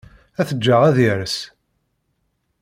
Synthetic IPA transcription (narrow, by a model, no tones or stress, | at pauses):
æθəd͡ʒːəʁæðiɾəs